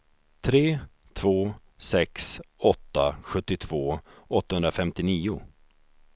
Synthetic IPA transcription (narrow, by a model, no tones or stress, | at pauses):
t̪ʰɾeː | t̪ʰvoː | sɛksɔt̪ːa̰ɧɵt̪ːɪt̪ʰv̥oːɔt̪ːahɵnɾafɛmt̪ɪniːʊ̰